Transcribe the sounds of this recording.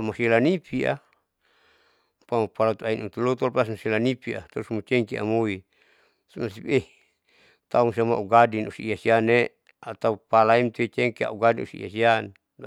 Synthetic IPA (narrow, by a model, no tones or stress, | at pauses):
masilanipia̰ | pamapalat̪uainut̪ulot̪ɔlpasmaselanipia̰t̪ɔɾusmut͡ʃɛŋkia̰moi | masipe | t̪auŋs̬iamaʔuɡadinusiiasiane | at̪aupalaimt̪uet͡ʃɛŋkia̰ʔuɡadinṵsiḭja̰sian